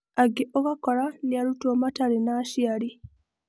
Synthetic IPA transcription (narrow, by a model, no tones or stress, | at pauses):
aɡeʔokakoɾaniaɾutoːmataɾenaʃiaɾi